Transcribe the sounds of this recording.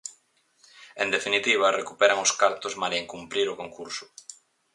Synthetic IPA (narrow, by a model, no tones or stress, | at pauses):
end̪efinit̪iβ̞ɐrʔekupɛɾaŋʊskaɾt̪ozmaɾeŋkumpɾiɾʊkoŋkuɾsʊ̥